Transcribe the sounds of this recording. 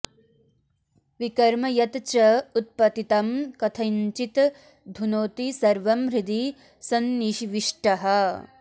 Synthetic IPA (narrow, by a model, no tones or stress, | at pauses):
ʋikɐɾmɐjɐt̪t͡ʃɐut̪̚pɐt̪it̪ɐmkɐt̪ʰɐɲt͡ʃit̪ | d̪ʱunoːt̪isɐɾʋɐmɾid̪i | sɐnːiʃiʋiʂʈɐɦɐ̆